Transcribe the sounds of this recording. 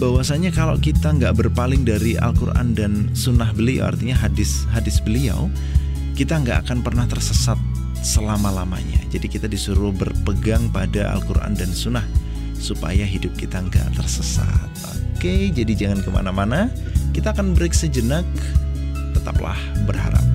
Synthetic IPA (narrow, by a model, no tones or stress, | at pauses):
bawasaɲakala̰kit̪aŋɡaʔbərpalɪŋdaɾiʔa̰lkurʔa̰ndansunaɦbəlia̰wa̰rt̪iɲaɦadɪsɦadɪsbəlia̰w | kit̪aŋɡaʔakanpərnaht̪ərsəsat̪̚ | səlamalama̰ɲa̰d͡ʒadikit̪adisuɾʊhbərpəɡaŋpadaa̰lkuɾa̰ndansunah | supa̰jaɦidʊp̚kit̪aŋɡa̰ʔt̪ərsəsa̰t̪̚o̰ked͡ʒadid͡ʒaŋankəma̰namana | kit̪aːkanbəɾiksad͡ʒənak | t̪ət̪apla̰hbərɦa̰ɾa̰p̚